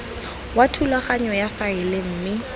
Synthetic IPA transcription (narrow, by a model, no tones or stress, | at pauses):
watʰulaχaɲɔjafaɪlɪm̩ːmɪ